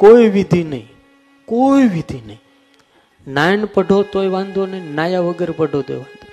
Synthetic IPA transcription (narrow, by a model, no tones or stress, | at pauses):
koiʋid̪ʱinəĩ | koiʋid̪ʱinəĩ | najnpəɖʱot̪ojʋãnd̪ʱonenajaʋəɡəɾpəɖʱot̪ḛʋand̪ʱo